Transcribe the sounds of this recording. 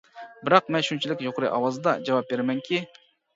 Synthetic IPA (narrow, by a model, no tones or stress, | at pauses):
bɪɾɑq̚mɛnʃynt͡ʃʰilɪkʲjoqɾɨ̰jʔɑwɑzɨd̪ɑd͡ʒɑwɑp̚beɾmɛŋkʲi